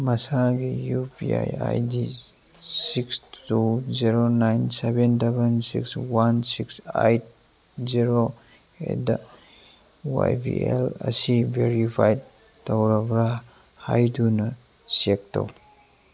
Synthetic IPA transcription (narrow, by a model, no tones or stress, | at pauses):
mɐsaɡijupia̰ja̰jdi | sikstuziɾonajnsebentebensḭkswansiksa̰jt̚ | ziɾo | ḛda | wa̰jbḭḛlɐ̰sibeɾipʰaj | tɐwɾɐbɾa | hajdunɐ | siek̚to̰w